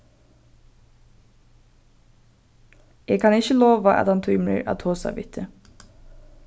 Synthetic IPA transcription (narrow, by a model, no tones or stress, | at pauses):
eːɡ̚kʰɑnɪçəloːʋaʔæ̰t̪hɑnt̪ʰuːmḛɹʔa̰ːt̪ʰoːsa̰ʋɪ̰t̪ʰːə